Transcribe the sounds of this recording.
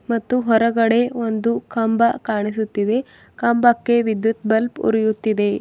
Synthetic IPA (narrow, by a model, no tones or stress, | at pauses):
mɐt̪ːuɦɔɾɐɡɐɽe̞ond̪ukɐmbɐkaːɳisut̪ːid̪e̞ | kɐmbɐkːe̞ʋid̪jut̪bɐlpṵɾijut̪ːid̪e̞